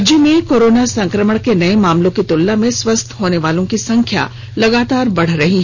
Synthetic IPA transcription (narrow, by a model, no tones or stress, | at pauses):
d͡ʒjəmẽkoːɾoːnasɐ̃ŋkɾəməɽ̃kenɐemãːmlõkit̪ʊlːamẽswɐst̪ʰɦoːneʋaːlõkisɐ̃ŋkʰja̰ | lɐɡaːt̪aːɾbɐɽ̤ɾɐɦiɦ